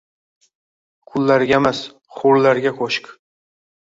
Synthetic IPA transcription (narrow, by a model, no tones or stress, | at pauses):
kʰʊlːaɾɡʲaemas | χʊɾlaɾɡʲakʰoʃk